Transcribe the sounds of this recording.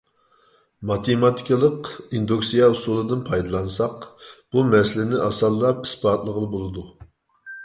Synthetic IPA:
mɑt̪ʰemɑt̪ʰi̥kʲʰəlˠəqind̪uksijɑusulˠɨd̪ɨnpʰɑjd̪ɨlˠɑnsɑqb̥umɛsɪlɪnɪʔɑsɑlˠːɑp̚i̥sbɑːt̪lˠəʁəlˠɨbolˠɨd̪u

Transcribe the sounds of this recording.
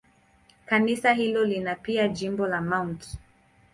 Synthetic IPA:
kanisaɦilɔlinapiad͡ʒimbɔlamawnt

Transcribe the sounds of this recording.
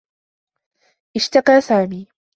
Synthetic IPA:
ʔɪʃt̪ɑqɑːsaːmiː

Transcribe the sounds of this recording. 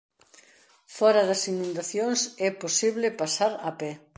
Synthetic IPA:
fɔɾɐðɐsinũnd̪aθjoŋsɛposiβlɪpasaɾapɛ

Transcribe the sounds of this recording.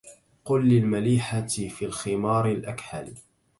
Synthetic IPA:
qʊlːɪlmaliːħafiːlxɪmɑːɾɪlʔakħa̰li

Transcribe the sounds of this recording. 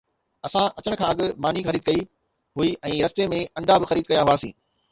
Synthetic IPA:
ɐsãʔɐt͡ɕəɽ̃kʰãːɐɠɪ̆maːnixɐɾiːd̪̚kɐi | ɦʊiʔɛ̃ːɾɐst̪emẽɐ̃ɳɖʱabɪxɐɾiːd̪̚kɐjaɦuaːsĩː

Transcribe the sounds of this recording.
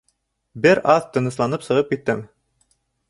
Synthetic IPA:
bɘɾɑðt̪ɤ̆nɤ̆slˠɑnɤpsɤ̆ʁɤp̚kit̪ːɘm

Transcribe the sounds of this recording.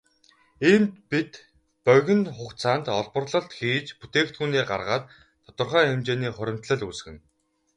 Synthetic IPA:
iːmt̪pit̪ | pœɣʲɘ̆nχʊkt͡sʰaːnt̪ɔɮpɞ̆rɮɞ̆ɬt̪xiːt͡ɕput̪eːkt̪xuːneːɢa̰rʁaːt̪ʰː | ɔ̥t̪ə̆rχœːemt͡ɕeːniːχʊɾʲɪ̆m̥t̪ɮə̆ɮus̆ɣɘ̆n

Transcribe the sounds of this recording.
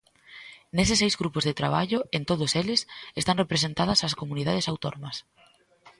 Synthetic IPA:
nes̬ɪsːejzɣɾupʊzðet̪ɾaβ̞aʎʊent̪oðʊselɪsest̪aŋrepɾesent̪að̞ɐsaskomuniðað̞esawt̪onomɐs

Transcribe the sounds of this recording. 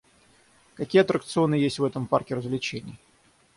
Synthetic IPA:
kɐkʲijəɐt̪ɾəkt̪sɨo̞nɨjesʲtʲvɛt̪əmparkʲɪɾəzvlʲɪt͡ɕenʲɪ̰jə

